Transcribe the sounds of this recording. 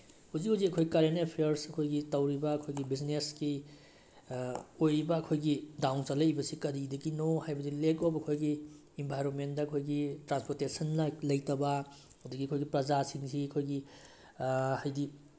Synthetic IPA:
huzikhuzikɐkʰojkaɾenepʰeɐɾsɐkʰojɡitɐwɾibɐːkʰojɡibizneski | ojbɐːkʰojɡidawnsɐlɐjbɐsikɐɾidɐɡinohajbɐdilekobɐkʰojɡiː | mbʱajɾonmentdɐɐkʰojɡitɾanspoɾtesɐnlɐjtɐbɐ | udiɡiɐkʰojɡipɾɐzasiŋsiɐkʰojɡi | hajdi

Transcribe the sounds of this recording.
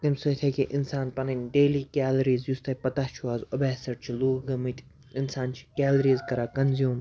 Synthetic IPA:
k̪imsut̪ʰɐkʲeʔinsaːnpɐnɐnʲɖeːliːkaːlɐɾiːzjust̪ɐpɐt̪at͡ʃʰuaːzobɛːsɐʈt͡ʃʰiluːɦɡɐmɨt̪ʰʲ | insaːnt͡ʃʰi̥kʲaːlɾiːzkɐɾaːkɐnzjuːm

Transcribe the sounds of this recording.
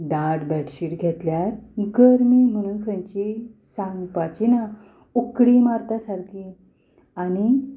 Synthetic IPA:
d̪aɽbɛʈɕiːɾɡʱɛt̪ljaɾɡəɾmiːm̤əɽ̃unkʰə̃ɲt͡ɕisãŋɡpat͡ɕina | ukɽimaɾt̪asaɾki | ani

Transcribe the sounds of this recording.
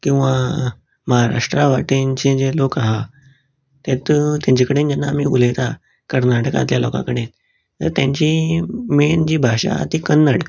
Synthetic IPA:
kĩw̃ʋa | məɦaɾa̰ʂʈɾaʋaʈint͡ɕed͡zelokaɦa | t̪et̪t̪jãɲt͡ɕikəɽend͡ʑanːaːmiːuləjt̪a | kəɾnaʈəkã̰t̪ljalokã̰kəɽet̪ | t̪əɾt̪jaɲt͡ɕimend͡ʑiːbʱaɕa̰t̪ikənːəɽk

